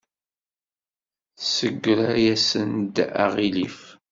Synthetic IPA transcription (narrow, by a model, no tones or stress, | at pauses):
səɡʷːɾajæsənd̪a̰ʁilif